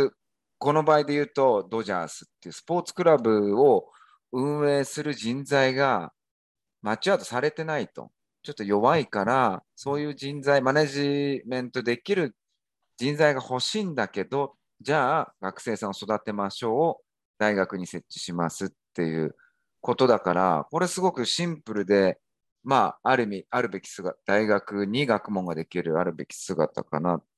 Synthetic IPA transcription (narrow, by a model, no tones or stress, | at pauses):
ko̞no̞baːid̪e̞jɯ̟ːt̪o̞d̪o̞ʑa̰ːsɨ̥t̪ːe̞jɯ̟ːsɨ̥po̞ːt͡sɨ̥kɯ̟ɾabɯ̟o | ɯ̟̃ɰ̃e̞ːsɨɾɯ̟d͡ʑĩnzaiɡa | mat͡ɕiat̪o̞̥saɾe̞t̪e̞nait̪o̞̰ | t͡ɕo̞t̪ːo̞jo̞βaikaɾaso̞ːjɯ̟ːd͡ʑĩnd͡zaimaneʑimẽ̞nt̪o̞d̪e̞kʲiɾɯ̟ | d͡ʑĩnd͡zaiɡaho̞ɕiːnd̪ake̞d̪o̞ | d͡ʑaːɡ̥akɯ̟̥se̞ːsãɰ̃oso̞d̪at̪e̞maɕo̞ː | d̪aiɡakɯ̟ɲ̟ise̞t͡ɕt͡ɕːi̥ɕimasɨt̪ːe̞jɯ̟̰ː | ko̞t̪o̞d̪akaɾa̰ko̞ɾe̞sɨɡo̞kɯ̟ɕĩmpɯ̟ɾɯ̟d̪e̞ | maːɾɯ̟mʲiaɾɯ̟be̞kʲi̥sɨɡaad̪̥aiɡakɯ̟ɲ̟iɡakɯ̟mõ̞ŋɡad̪e̞kʲiɾɯ̟aɾɯ̟be̞kʲi̥sɨɡa̰t̪a̰ka̰na